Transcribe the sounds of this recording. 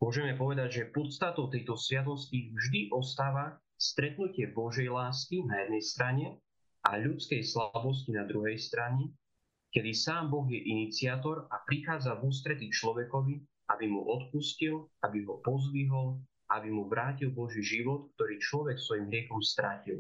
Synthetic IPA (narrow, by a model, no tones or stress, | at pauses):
mʊɔʒɛmɛpɔʋɛd̪aɟʒɛpɔt̪st̪at̪ɔʊt̪ɛjt̪ɔsʋɪat̪̬ɔscivʒd̪iʔɔst̪aːʋa | st̪ɾɛt̪nucɪɛbɔʒɛjlaːskinajɛd̪nɛjst̪ɾaɲɛ | ʔaʎut͡skɛjslabɔs̬cinad̪ɾuɦɛjst̪ɾaɲɛ | kɛd̪isaːmbɔɣjɛʔinit͡sɪaːt̪ɔɾapɾixaːd͡zavuːs̬t̪ɾɛt̪it͡ʃlɔʋɛkɔʋi | abimṵʔɔt̪puscilabiɦɔpɔzliɦɔl | aabimuʋɾaːcilˠbɔʒiʒiʋɔt̪k̚t̪ɔɾiːt͡ʃlɔʋɛksʋɔjimɦɾɪɛxɔmst̪ɾacil